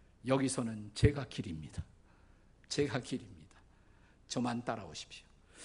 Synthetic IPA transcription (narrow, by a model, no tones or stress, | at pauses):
jʌɡisʰʌnɯnt͡ɕe̞ɡakiɾimɲid̥ḁ | t͡ɕe̞ɡakiɾimɲid̥ḁ | t͡ɕʌmant͈aɾa̰oɕʰi̥p̚ɕjo̥